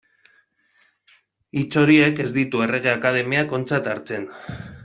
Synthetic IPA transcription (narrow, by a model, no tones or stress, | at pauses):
it͡so̞ɾie̞ke̞zd̪it̪ue̞re̞ɣ̞e̞akað̞e̞meako̞nt͡sat̪aɾt͡se̞n